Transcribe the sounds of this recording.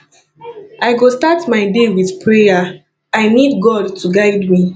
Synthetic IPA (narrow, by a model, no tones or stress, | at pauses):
aɪɡostatmaɪdewiθpɹeja | aɪnidɡɔdtuɡaɪdmi